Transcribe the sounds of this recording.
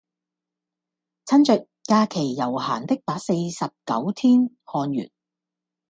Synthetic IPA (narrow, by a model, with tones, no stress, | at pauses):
t͡sʰɐ˥nt͡sœ˨t̚kaː˧kʰe˨˩jːɐ˨˩wha̰ː˨˩nt̪ɪ˥k̚paː˨˥se˧jsɐ˨p̚kɐ̰˨˥wt̪ʰiː˥n | hɔː˧njy̰ː˨˩n